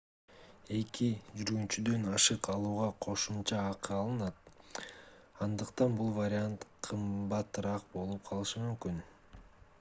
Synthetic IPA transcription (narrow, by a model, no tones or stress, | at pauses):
e̞kid͡ʒyɾɡynt͡ʃyd̪ø̞nɑʃɯqɑlˠuːʁɑqʰo̞ʃumt͡ʃɑːqɯɑlˠɯnɑt̪̚ | ɑnd̪ɯqt̪ɑnbulˠvaɾʲɪant̪qʰɯmbɑt̪ɯɾɑq̚bo̞lˠup̚qʰɑlˠɯʃɯmymkyn